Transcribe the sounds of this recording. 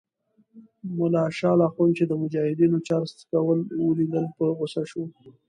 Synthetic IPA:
mʊlɑʃɑlɑxunt͡ʃed̪əmʊd͡ʒɑhɪd̪inot͡ʃɑɾst̪kawəlwəlid̪əlpəɣʊsaʃu

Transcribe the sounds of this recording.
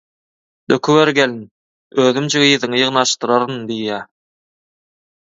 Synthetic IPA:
d̪økʰyweɾɡælin | øːðymd͡ʒʰiɣɯjðɯŋɯjɯʁnɑʃt̪ɯɾɑɾɯnd̪ijæː

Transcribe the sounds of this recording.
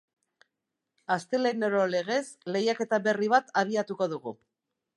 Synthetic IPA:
ast̪e̞leneɾo̞le̞ɣ̞e̞sle̞jake̞t̪aβe̞riβ̞at̪aβ̞iat̪uko̞ðuɣu

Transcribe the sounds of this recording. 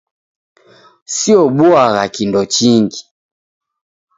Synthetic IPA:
siɔɓuaɣakindɔt͡ʃiŋɡi

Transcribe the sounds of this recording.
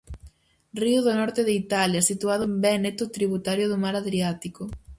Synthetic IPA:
riuðonɔɾt̪eðeit̪aljɐsit̪uaðʊmbɛnet̪ot̪ɾiβut̪aɾjoðomaɾaðɾiat̪iko

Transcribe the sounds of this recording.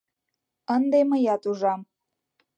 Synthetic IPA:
ənd̪eməjɑt̪uʒɑm

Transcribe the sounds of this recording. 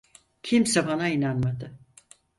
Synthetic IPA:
cʰimsɛbanainanmad̪ɯ

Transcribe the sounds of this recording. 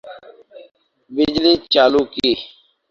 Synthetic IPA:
bɪd͡ʒliːt͡ʃaːluːkiː

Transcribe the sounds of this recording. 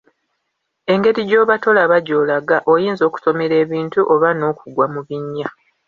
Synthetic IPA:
e̞ŋɡe̞ɾiɟo̞ːβato̞laβaɟo̞ːlaɡaʔo̞jiːnzo̞ːku̥so̞me̞ɾe̞ːβiːntuʔoβano̞ːkuɡwamuβiɲːa

